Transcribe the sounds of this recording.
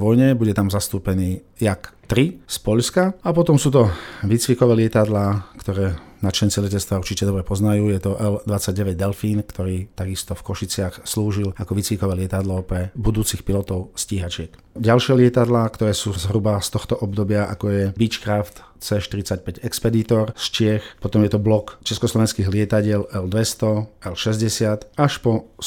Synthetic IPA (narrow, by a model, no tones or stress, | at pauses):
ʋɔjɲɛbuɟɛt̪amzast̪uːpɛniː | jakt̪ɾispɔʎskaapɔt̪ɔmsuːt̪ɔʋit͡sʋikɔʋɛːlɪɛt̪ad̪laːkt̪ɔɾɛːnat͡ʃɛnt͡silɛcɛt͡sst̪ʋauɾt͡ʃicɛd̪ɔbɾɛpɔznajuːjɛt̪ɔʔɛld̪ʋat͡sːaɟ̚ɟɛʋɛɟd̪ɛlfiːnkt̪ɔɾiːt̪aɡist̪ɔfkɔʃit͡sɪaxsluːʒilakɔʋit͡sʋikɔʋɛːlɪɛt̪ad̪lɔpɾɛbud̪uːt͡sixpilɔt̪ɔʊsciːɦat͡ʃɪɛk | ɟalʃɪɛlɪɛt̪ad̪laːkt̪ɔɾɛːsuːzɦɾubast̪ɔxt̪ɔʔɔb̚d̪ɔbɪaʔa̰kɔjɛbit͡ʃkɾaft̪ | t͡sɛːʃt̪iɾit͡sac̚pɛɟɛkspɛd̪iːt̪ɔɾst͡ʃɪɛxpɔt̪ɔmjɛt̪ɔblɔkt͡ʃɛskɔslɔʋɛnskiːɣlɪɛt̪aɟɪɛlɛld̪ʋɛst̪ɔɛlʃɛzɟɛsɪat̪aʃpɔ